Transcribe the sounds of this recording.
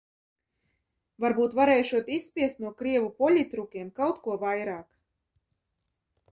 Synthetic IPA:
vaɾbuːt̪vaɾɛjʃuɔt̪isːpʲiɛst̪nuɔkɾiɛvupɔlʲit̪ɾukʲiɛmkawt̪kuɔvajɾaːk

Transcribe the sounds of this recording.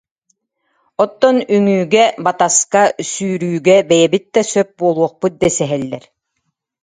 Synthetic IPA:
ɔt̪ːɔnyŋyːɡɛbat̪askasyːɾyːɡɛbɛjɛbit̪̚d̪ɛsœp̚buɔlˠuɔχpɯt̪̚d̪ɛsɛɦɛlːɛ̰ɾ

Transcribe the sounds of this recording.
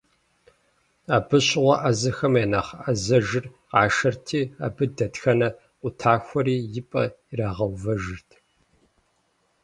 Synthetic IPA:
aːbɨɕʼɪʁʷɐʔɐzɐxɐmeːnɐχʔɐzɐʒɨr | qɑːʃɐrtʰiːa̰ːbɨdɐtxɐnɐ | ʔʷʊtʰaːxʷɔɾiːjɪpʼɐ̰iraːʁɐwvɐʒɨrtʰ

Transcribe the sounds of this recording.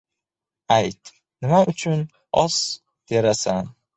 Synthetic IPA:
ajt̪ | nɪmaʔʊt͡ʃʰʊn | ɒs | d̪̥eɾasan

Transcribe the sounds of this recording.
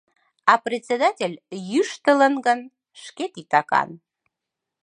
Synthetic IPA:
ɑprʲet͡sʲed̪ɑtʲelʲjyʃt̪ələnɡən | ʃket̪it̪ɑkɑ̰n

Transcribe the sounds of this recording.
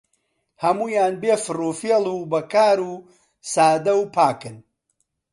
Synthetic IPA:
hɐmuːjaːnbeːfɨruːfeːlˠuːbɐkaːɾuː | saːd̪ɐwpʰaːkɨn

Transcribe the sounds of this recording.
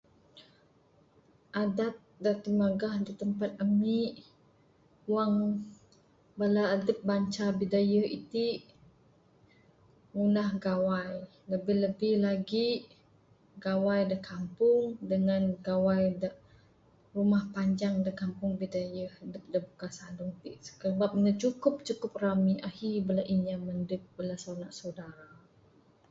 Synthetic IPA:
ʔadat̪̚dat̪əmaɡahdit̪əmpat̪̚əmiʔ | waŋ | balaːdəp̚baɲt͡ʃabidajəhḭt̪i | ŋunahɡawaj | ləbɪhləbɪhlaɡi | ɡawajdəhkampʊŋdəŋanɡawajdaʔ | rumahpaɲd͡ʒaŋdəhkampʊŋbidajəhdəp̚dəbukasaduŋt̪iʔsə̥kəbap̚ɲat͡ʃukʊp̚t͡ʃukʊp̚ramiʔahibəlaʔinjaməndəp̚bəlasawnaʔsadaɾa

